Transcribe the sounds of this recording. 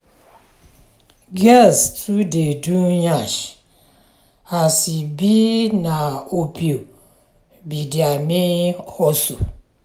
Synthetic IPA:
ɡɛstudedujaʃ | asibinaopio | bidiamihɔsu

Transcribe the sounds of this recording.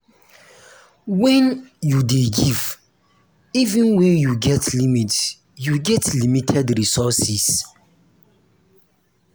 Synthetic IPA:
wɛ̃njudeɡiv | ivĩnwɛ̃njuɡɛtʰlimit | juɡɛtlimitʰɛdɾisɔsis

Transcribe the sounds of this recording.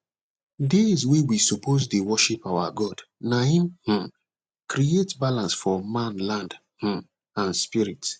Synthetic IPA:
dezwewisopozdewɔʃipawa̰ɡɔdnaĩmh̩ | kɾietbalãnsfɔmãnlãnd | h̩ | ãnspiɹit

